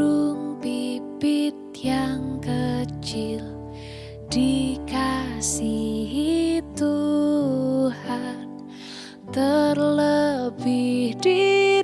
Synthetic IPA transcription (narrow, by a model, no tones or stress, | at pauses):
uŋpibit̪̚jaŋkət͡ʃɪl | d̥ikasiɦit̪u | han | t̪ərləbɪhdi